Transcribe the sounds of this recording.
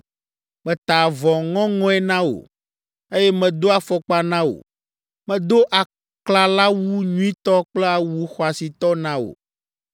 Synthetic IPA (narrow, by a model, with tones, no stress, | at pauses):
mɛ̃˨t̪a˨vɔ̃˨ŋɔ̃˦ŋɔ̃˦ɛ˦nã˦wo̰˨ | e˦jɛ˦mɛ̃˨d̪o˦a˨fɔ˨k͡pa˨nã˦o̰˨ | mɛ̃˨d̪o˦ʔa˨ | kla˨la˦wu˦ɲũ˦ĩ˦t̪ɔ˦k͡plɛ˦a˨wu˦xɔ˨a˨si˨t̪ɔ˦nã˦o̰˨